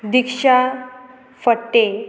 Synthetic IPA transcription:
d̪ikʂa | fəʈːe

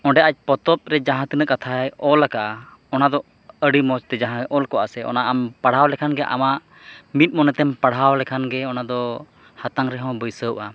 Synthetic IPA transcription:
ɔ̃ɖɛʔac̚ˀpɔt̪ɔt̪̚ɾɛd͡ʒãɦãt̪inəʔkat̪ʰaɛɔlakaʔ | ɔnad̪ɔ | əɽimɔt͡ʃt̪ɛd͡ʒãɦãʔɔlkɔʔasɛʔɔ̰naʔampaɽ̤awlɛkʰanɡɛʔa̰maʔ | mit̪̚mɔnɛt̪ɛmpaɽ̤awlɛkʰanɡɛɔnad̪ɔ | hat̪aŋɾɛɦɔ̃wbəjsəwʔa

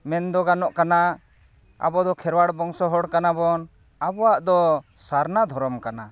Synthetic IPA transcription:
mɛnd̪ɔɡanɔʔkana | a̰bɔd̪ɔkʰɛɾwaɽbɔŋsɔɦɔɽkanabɔn | abɔwaʔd̪ɔsaɾnad̪ʱɔɾɔmkana

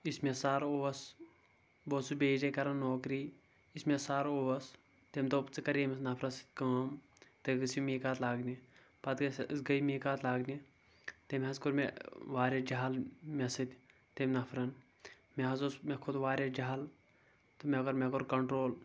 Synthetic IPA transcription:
ismesaːɾoːʋɐs | boːsubeːd͡ʒɐkɐɾɐnːoːkɾiː | ismesaːɾoːʋɐs | t̪emt̪opt͡sɨkɐɾemesnɐpʰɾɐsɨ̥t̪̚ʲkɐːm | t̪eɡɐsimiːkaːt̪laːɡni | pɐt̪ɡɐsɡɐimeːkaːt̪laːɡni | t̪emʲɐskuɾmeʋaːɾʲed͡ʒaɦalmesit̪ʲ | t̪emnɐpʰɾɐn | meɦɐzosmekʰʊd̪ʋaːɾʲjed͡ʒaɦal | t̪omekoɾmekoɾkɐɳʈɾoːl

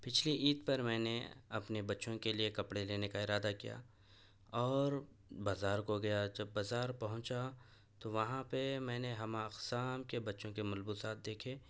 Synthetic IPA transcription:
pɪt͡ʃʰliʔiːd̪pɐɾmɛ̃ːneɐpnebɐtːʃõkeliekɐpɽeleːnekaɪɾaːd̪akija̰ː | ɔːɾ | baːzaːɾkoɡɐjad͡ʒɐbːaːzaːɾpɐɦʊ̃t͡ʃa | t̪oʋɐɦãpemɛ̃ːneɦɐmãɐqsaːmkebɐtːʃõkemɐlbusaːt̪̚ʰd̪eːkʰeː

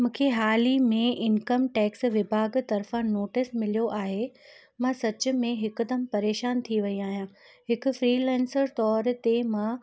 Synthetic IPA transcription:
mũːkʰeɦaːlimẽʔɪnkəmʈɛːksʋɪbʱaːɡt̪ɐɾfãnoːʈɪsmɪlijoʔaːɦe | mãsɐt͡ɕʊ̆mẽɦɪkd̪əmpɐɾeːʃaːnt̪ʰiʋɐiaːɦijãː | ɦɪkʊ̆fɾiːlɛ̃ːnsəɾt̪ɔːɾt̪emãː

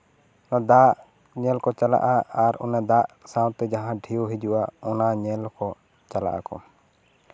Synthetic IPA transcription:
nad̪aʔ | ɲɛlkɔt͡ʃala̰ʔaaɾɔ̰nad̪aʔsãw̃t̪ɛd͡ʒaɦãɖʱijoɦid͡ʒuʔaɔnaɲɛlkɔ | t͡ʃala̰ʔa̰kɔ̰

